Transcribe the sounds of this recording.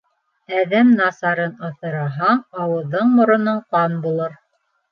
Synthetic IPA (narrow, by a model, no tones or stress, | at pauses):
æðæmnɑsɑɾɤnɤ̆θɤ̆ɾɑɦɑːwɤ̆ðːɤɴmŏɾŏnɤɴqɑnbulˠɤɾ